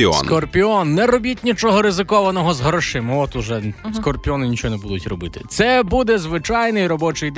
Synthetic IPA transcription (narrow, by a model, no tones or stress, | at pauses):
ɔ̰snkɔrpʲiɔnːɛɾɔbʲitʲnʲit͡ʃɔɦɔɾɪzɪkɔʋɐnɔɦɔzɦɾɔʃɪmɪɔt̪ʊʒɛskɔrpʲiɔnɪnʲit͡ʃɔɦɔnɛbud̪ʊtʲrɔbɪt̪ɪ̥t̪sɛbud̪ɛzʋɪt͡ʃɑjnɪjɾɔbɔt͡ʃɪjd̪